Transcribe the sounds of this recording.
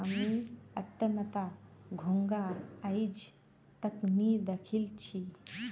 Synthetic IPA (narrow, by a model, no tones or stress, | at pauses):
əmiɐʈːənɐt̪aɡʱoŋɡaːjid͡ʒ | t̪ɐknid̪ɐkʰilt͡ʃʰi